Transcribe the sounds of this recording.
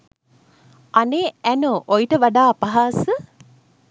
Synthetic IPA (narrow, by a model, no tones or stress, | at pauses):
aneːænoːʔojiʈəʋaɖaːpɐɦaːsə